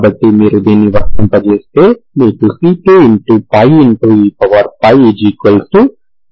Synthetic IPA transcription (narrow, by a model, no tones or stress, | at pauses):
bɐʈːimiːɾud̪iːnːiʋɐst̪ɐmpɐt͡ʃeːst̪e̞ːmiːʈusiːʈuiɳʈupɐjiɳʈuːiːpɐʋɐɾpɐjid͡ʒikɐlsu